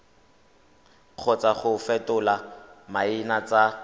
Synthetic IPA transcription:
k͡xʰɔt͡saχʊfɛtʊlamaɪnat͡sʼa

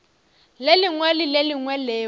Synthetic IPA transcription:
leliŋwɛlileliŋwɛleː

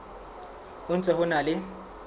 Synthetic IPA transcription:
ʊnt͡sʼɛhʊnalɪ

